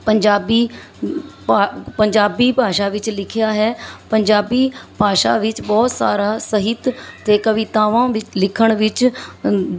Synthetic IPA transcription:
pəɲd͡ʒaːbiː | pəɲd͡ʒaːbiːpaːʃaːʋɪt͡ʃlɪkʰɪjaːɦɛːpəɲd͡ʒaːbiːpaːʃa̰ːʋɪt͡ʃbɔːt̪sa̰ːɾaːsəɦɪt̪t̪eːkəʋɪt̪ãːʋãːʋɪt͡ʃlɪkʰəɽ̃ʋɪt͡ʃ

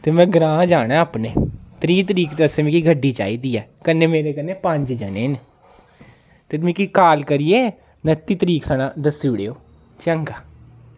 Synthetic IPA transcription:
t̪eːmɛ̃ːɡɾãːd͡ʒaːɽ̃aːəpneːt̪ɾiːt̪̬əɾiːkt̪eəsẽːmĩːkiɡʱəɖːiːt͡ʃa̰ːiːd̪iːɛːkənːeːmeːɾeːkənːeːpə̃ɲd͡ʒd͡ʒaːnḛːn | t̪eːmĩːkiːkaːlkəɾijeː | nət̪ːiːt̪əɾiːksənãːd̪əsiːʊɽeːoː | t͡ʃəŋɡaː

